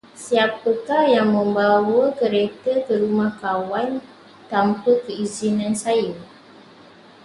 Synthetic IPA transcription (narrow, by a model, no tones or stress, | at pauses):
siapːəkarjaŋmə̃mbawəkəɾekəkəɾumahkawan | t̪ampəkəizinãnsajə